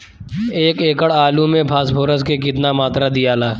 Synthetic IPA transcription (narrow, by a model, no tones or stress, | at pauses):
eːkeːkəɽaːlumẽpʰaːsboːɾəskekɪt̪namaːt̪ɾad̪ɪjaːlaː